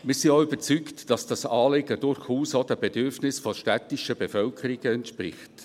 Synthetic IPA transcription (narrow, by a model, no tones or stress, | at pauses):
mɪːsioʏb̥ət͡syktd̥ɑsd̥ɑsɑːlɪɡəd̥ʊɾχuːsod̥ɛbedʏɾfnɪsfɔʃtætɪʃəbefœlkʰəɾiɡəɛntʃpɾɪ̰χt